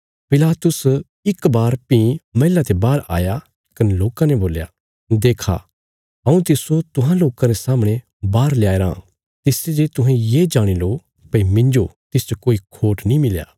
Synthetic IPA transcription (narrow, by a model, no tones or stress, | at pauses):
pɪlaːt̪ʊs | ɪkbaːɾpĩmɐɦɪlat̪ebaːɾa̰ːja | kɐneloːkãnɛboːlja̰ | d̪eːkʰa̰ | ɦɐ̃ũt̪ɪsot̪ʊɦãloːkãɾesaːmɽ̃ẽ | baːɾlɪjaːeɾã̰ | t̪ɪsed͡ʒet̪ʊɦẽjeːd͡ʒaːɽ̃iloː | pɐimɪ̃ɲd͡ʒot̪ɪst͡ʃokoːikʰoːʈnĩmɪlja̰ː